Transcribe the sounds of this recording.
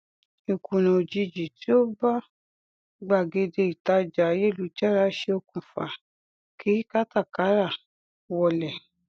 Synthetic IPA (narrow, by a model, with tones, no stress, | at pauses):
i˨kũ˨nã˨d͡ʒi˧d͡ʒi˨ti˨˦o˦ba˦ | ɡ͡ba˨ɡe˧de˧i˨ta˨˦d͡ʒa˨˦je˦˨lu˨˦d͡ʒɛ˦ɾa˧˦ʃe˧o˧kũ˨fa̰˨ | ki˨˦ka˦ta˦˨ka˨˦ɾa˦˨ | wɔ˧˨lɛ˨